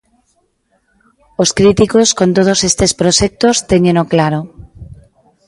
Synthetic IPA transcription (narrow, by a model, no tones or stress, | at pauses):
oskɾit̪ikoskont̪̬oð̞osest̪espɾoʃek̚t̪ost̪eɲẽnoklaɾo